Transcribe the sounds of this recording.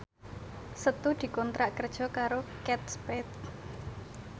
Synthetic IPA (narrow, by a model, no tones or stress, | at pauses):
sət̪ud̪̥i̤kɔnt̪ɾaʔkərd̥ʒ̥ɔ̤kaɾokɛt̪̚spɛt̪̚